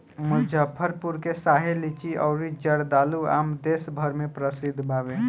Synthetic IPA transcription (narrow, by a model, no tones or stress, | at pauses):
mud͡ʒʱəpʰəɾpuɾkesaɦelit͡ʃiʔɔ̰ʊɾid͡ʒəɽd̪alua̰md̪esbʱəɾmepɾəsid̪ʱbʱabe